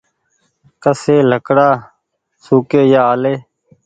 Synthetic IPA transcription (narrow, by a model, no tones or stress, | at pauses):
kəseːləkɽaː | suːkeːjaːaːleː